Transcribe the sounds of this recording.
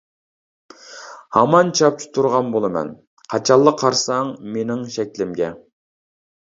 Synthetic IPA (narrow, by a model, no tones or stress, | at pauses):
hɑmɑnt͡ʃʰɑp̚t͡ʃʰi̥t̪ʰuɾʁɑnbolˠɨmɛ̰n | qʰɑt͡ʃʰɑlˠːəqʰːɑɾsɑŋmenɪŋʃɛkʲlɪmɡʲɛ